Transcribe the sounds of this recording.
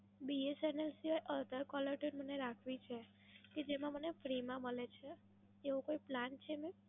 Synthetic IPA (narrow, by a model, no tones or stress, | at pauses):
biesənelsiʋajʔəlt̪əɾkɔləɾʈunməneɾakʰʋit͡ʃʰe | ked͡ʒemãmənefɾimãməlet͡ʃʰeː | ʋokoiplant͡ʃʰemẽ